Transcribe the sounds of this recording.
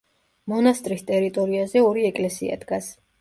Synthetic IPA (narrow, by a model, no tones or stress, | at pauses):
mɔnast̪ʼɾist̪ʼɛɾit̪ʼɔɾiazɛɔɾiɛkʼlɛsḭa̰d̪ɡas